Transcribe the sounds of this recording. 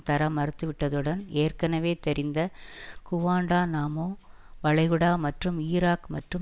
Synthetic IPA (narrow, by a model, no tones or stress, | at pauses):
t̪ɐɾɐmɐɾɯt̪ːɯʋɪʈːɐðɯɽɐneːrkɐnɐʋeːt̪ɛɾɪnd̪ɐkʊʋaːɳɖaːnaːmoː | ʋɐɭɐɪɣɯɽaːmɐʈrɯmiːɾaːkmɐ̰ʈrɯ